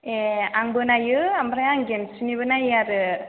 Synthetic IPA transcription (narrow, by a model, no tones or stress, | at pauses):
eaŋbɯnajɯambɾajaŋɡensinibɯnajaɾɯ